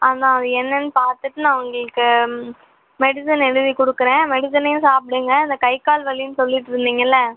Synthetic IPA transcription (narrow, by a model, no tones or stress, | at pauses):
ɐnd̪ãːɐðɯɛnːɐnːɯpaːɾt̪ɯʈːɯnãːʋɐŋɡɐɭɯkːɯ | mɛɽɪsɪnɛɽɯðikɔɽɯkːɯɾẽːmɛɽɪs̬ɪnɐjʊ̃saːpɽiŋɡɐɪnd̪ɐkɐɪkaːlʋɐlːɪjnsɔlːɪʈːɯɾɯnd̪iːŋɡɐɪlːɐ